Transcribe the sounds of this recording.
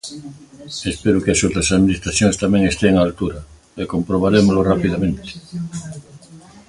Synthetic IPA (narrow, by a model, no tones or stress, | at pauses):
espeɾʊkɪasot̪ɾasaðminist̪ɾaθjoŋst̪amẽŋest̪eŋalt̪uɾɐ | ekompɾoβ̞aɾemolorapiðamẽnt̪ɪ̥